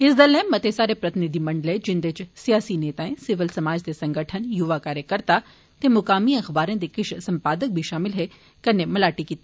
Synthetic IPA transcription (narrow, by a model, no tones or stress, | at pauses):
ɪsd̪əlːɛ̃ːmːɐt̪esaːɾepɾɐt̪ɪnɪd̪ʱimɐ̃ɳɖəlẽd͡ʒɪnd̪et͡ʃsijaːsineːt̪aːẽsɪʋɪlsɐmaːd͡ʒd̪esɐ̃ŋɡəʈʰənjʊʋakaːɾjəkəɾt̪a | t̪ẽmʊkaːmiɐxbaːɾẽd̪ekɪʃsɐ̃mpaːd̪ək̚bʱiʃaːmɪlɦɛ | kɐnːemɐlaːʈikiːt̪i